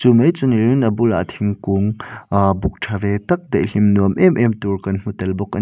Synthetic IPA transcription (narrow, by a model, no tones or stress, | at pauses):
t͡sumejt͡suniɾinʔɐbula̰ʔt̪ʰiŋkuŋbʊk̚ʈʰavɛt̪ɐk̚d̪ɐjɬimnuəmʔɛmʔɛmt̪urkɐnm̥ut̪ɛlbɔk̚ʔɐ